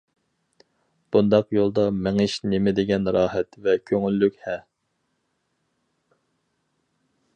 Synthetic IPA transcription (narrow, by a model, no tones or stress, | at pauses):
b̥und̪ɑqjolˠd̪ɑmɪŋɪʃnɪmɪd̪ɪɡʲɛnɾɑːɦɛt̪vɛkʲʰøŋylːykʲhɛ